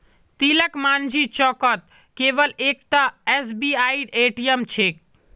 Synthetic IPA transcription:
t̪iləkmand͡ʒit͡ʃɔkət̪̚ | keʋəlek̚t̪əɛsbiaiɖeʈijəmt͡ʃʰek

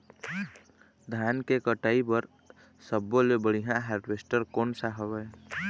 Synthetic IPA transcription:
d̪ʱjaːnkekəʈaːibəɾ | səbːolebəɽiɦãɦaːɾʈʋeːsʈəɾkɔːnsaɦəwɛ

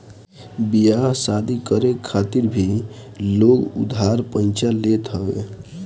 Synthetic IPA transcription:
bijasad̪ʱikəɾekʰːat̪iɾbʱiloɡṵd̪ʱaɾpə̃nt͡ʃalet̪ɦəwḛ

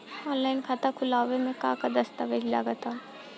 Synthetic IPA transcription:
ɔ̃ːnlaːɪnkʰat̪akʰʊlaːʋemẽka̰ːkad̪ɐst̪aʋed͡ʒila̰ɡət̪aː

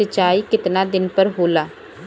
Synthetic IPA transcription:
ət͡ʃaːikɪt̪nad̪ɪnpəɾɦoːlaː

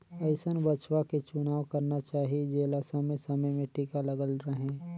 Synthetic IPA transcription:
ɐɪsənbɐt͡ʃwaket͡ʃʊnaːwkɐɾnat͡ʃaːɦied͡ʒeːlasɐməjsɐməjmẽʈikalɐɡəlɾəɦẽː

